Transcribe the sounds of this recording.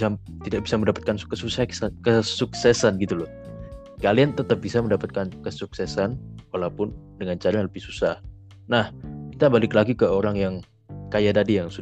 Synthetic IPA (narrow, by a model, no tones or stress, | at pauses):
sat̪idaʔ̚bisaməndapat̪̚kankəsusaksakəsuksɛsanɡit̪ulɔh | kaliant̪ət̪əp̚bisaməndapat̪̚kankəsuksɛsanwalawpʊn | dəŋant͡ʃaɾaɲaŋləbɪhsusah | nahkit̪abalɪklaɡikəoɾaŋjaŋ | kajadadijaŋsu